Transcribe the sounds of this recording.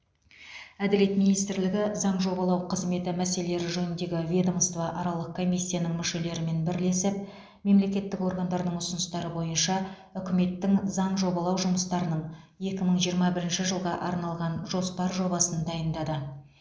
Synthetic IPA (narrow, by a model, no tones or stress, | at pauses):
æd̪ɪle̞t̪mijnijst̪ɪɾlɪɡʲɪzɑɴʒo̞bɑlˠɑwqʰəzme̞t̪ɪmæse̞lele̞ɾɪʒɵnɪnd̪e̞ɡʲɪvʲe̞d̪omst̪vɑʔɑɾɑlˠəq̚kʰo̞mijsʲːijanəŋmʏʃe̞le̞ɾɪme̞nbɪɾle̞sɪp̚ | me̞mle̞kʲe̞t̪ːɪko̞ɾɡɑnd̪ɑɾd̪əɴʊsənəst̪ɑɾəbo̞jənʃɑ | ʏkʲɪme̞t̪ːɪŋzɑɴʒo̞bɑlˠɑwʒʊməst̪ɑɾənəɴ | je̞kʲɪməɴʒijəɾmɑbɪɾɪnʃɪʒəlˠʁɑʔɑɾnɑlˠʁɑnʒo̞spɑɾʒo̞bɑsənd̪ɑjənd̪ɑd̪ə